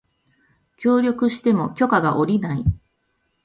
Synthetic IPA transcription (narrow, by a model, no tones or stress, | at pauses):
kʲo̞ːɾʲo̞kɯ̟ɕi̥t̪e̞mo̞kʲo̞kaɡaʔo̞ɾʲinai